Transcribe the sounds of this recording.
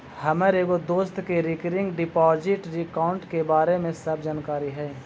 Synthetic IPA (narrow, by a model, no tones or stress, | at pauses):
hɐməɾeːɡod̪oːst̪keɾɪkɾɪ̃ŋɡɖɪpɔːd͡ʒɪʈɾɪkaːʊ̃ɳʈkebaːɾemẽsəbʱd͡ʒaːnkaːɾiɦɛː